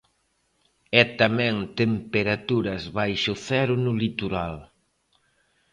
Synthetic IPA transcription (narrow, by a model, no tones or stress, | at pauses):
ɛt̪amɛ̃ŋt̪empeɾat̪uɾɐzβajʃʊθɛɾʊnʊlit̪uɾal